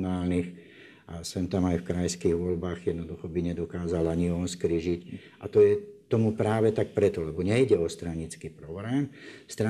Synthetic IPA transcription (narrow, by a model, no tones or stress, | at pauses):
naːlnix | ʔa̰sɛnt̪amajfkɾajskiːɣʋɔlbaːɣjɛd̪nɔd̪uxɔbiɲɛd̪ɔkaːzalaɲiɔnskɾiʒic | a̰t̪ɔjɛt̪ɔmupɾaːʋɛt̪ak̚pɾɛt̪ɔlɛbɔɲɛiɟɛɔst̪ɾaɲit͡skiːpɾɔbɾɛːmst̪ɾa